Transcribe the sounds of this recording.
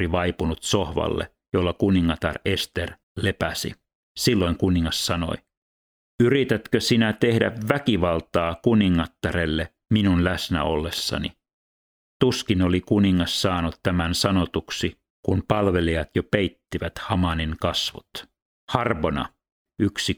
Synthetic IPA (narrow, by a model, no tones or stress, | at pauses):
iʋɑipunut̪sohʋɑ̰lːḛ | jolːɑkuniŋːɑt̪ɑ̰rest̪er | le̞pæsḭ | silːo̞iŋkuniŋːɑssɑno̞̰j | yrit̪æt̪køsinæt̪ehdæ̰ʋʋækiʋɑlt̪ɑːkuniŋːɑt̪ːɑɾelːe | minunlæsnæ̰olːesːɑ̰nḭ | t̪uskinolikuniŋːɑssɑːnut̪t̪æmænsɑnot̪uksi | kunpɑlʋe̞liɑt̪jopejt̪ːiʋæt̪hɑmɑniŋkɑsʋo̰t̪ | hɑrʋonɑ̰ | yksi